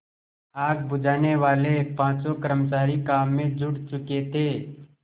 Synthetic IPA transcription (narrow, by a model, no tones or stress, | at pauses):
aːk̚bʊd͡ʒʱaːneʋaːlepãːt͡ʃõkəɾəmt͡ʃaːɾikaːmːẽd͡ʒʊɽt͡ʃʊket̪ʰeː